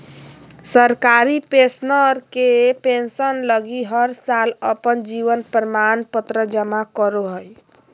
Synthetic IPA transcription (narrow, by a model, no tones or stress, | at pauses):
səɾkaɾipesnəɾkepensənləɡiɦəɾsaləpənd͡ʒiʋənpɾəmanpət̪ɾəd͡ʒəmakəɾoɦəj